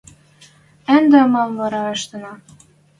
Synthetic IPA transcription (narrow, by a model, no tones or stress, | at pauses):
ænd̪emɑmvɑɾɑɤ̆ʃt̪ɤ̆nɑ